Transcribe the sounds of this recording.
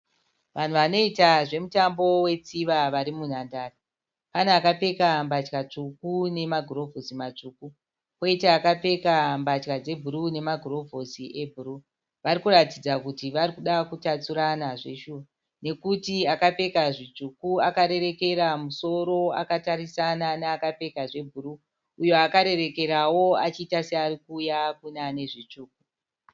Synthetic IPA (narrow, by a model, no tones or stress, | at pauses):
ʋan̤uʋano̞itaʐe̞mutambo̞we̞t͡siʋaʋaɾimun̤andaːra | paneakape̞kambat͡ʃkat͡ʂukune̞maɡʱuro̞vʱosimat͡ʂuːku | oitaːkape̞kambat͡ʃkad͡ze̞bʱuɾune̞maɡʱuro̞vʱosiʔe̞bʱuru | ʋaɾikuratid͡zakutiʋaɾikuɗakutat͡suɾanaʐe̞ʃuːʋa | ne̞kutiakape̞kaʐit͡ʂukuakaɾe̞ɾe̞ke̞ɾamuso̞ɾo̞a̰katarisananaakape̞kaʐe̞bʱuru | ujo̞akaɾe̞re̞ke̞ɾawo̞at͡ʃiːtasearikuːjakunane̞ʐit͡ʂuːk̚u